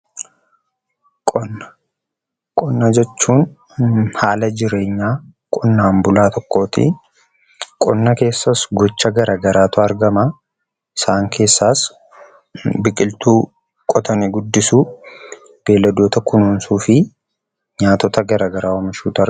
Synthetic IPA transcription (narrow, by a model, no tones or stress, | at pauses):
kʼɔnːɐ | kʼɔnːɐd͡ʒɛt͡ʃːuːn | haːlɐd͡ʒɪɾe̞ːɲːaːkʼɔnːaːmbʊlaːt̪ɔkːo̞ːt̪ɪ̰ | kʼɔnːɐke̞ːsːɐsɡɔt͡ʃːɐɡɐɾaːɡɐɾaːt̪ʊɐɾɡɐma | ɪsaːŋkʰe̞ːsːaːs | bɪkʼɪlt̪uː | kʼɔt̪ʰɐnɪɡʊd̪ːɪsuː | b̥e̞ːlːɐd̪oːt̪ɐkʊnuːnsuːfɪ | ɲaːt̪ɔt̪ɐɡɐɾaːɡɐɾaːwɔmɪʃuːt̪ʊɐ